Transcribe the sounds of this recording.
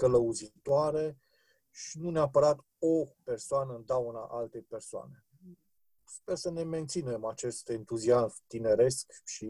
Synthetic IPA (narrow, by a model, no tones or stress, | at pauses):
kələuzit̪oaɾe̞ | ʃinuneapəɾat̪ | ope̞rsoanəɨnd̪auna̰ʔalt̪e̞jpe̞rsoa̰ne̞ | spe̞rsəne̞me̞nt̪sine̞mat͡ʃe̞st̪e̞nt̪uziazmt̪ine̞ɾe̞skʃi